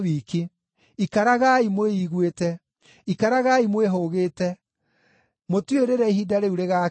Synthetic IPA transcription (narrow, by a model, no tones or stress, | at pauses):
iːki | ikaɾaɣaimoeiɣwetɛ | ikaɾaɣaimweɦoɣetɛ | motweɾeɾɛiɦidaɾeuɾeɣa